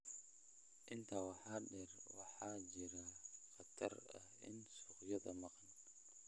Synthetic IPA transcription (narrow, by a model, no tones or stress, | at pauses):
ʔɪnt̪ʰɐwɑħɑːɖɛːrwɑħɑːt͡ʃɪɾɐxɑt̪ʰɐ̰rɐ̰hʔɪ̰nsuqjɐðɐ̰mɑqɑn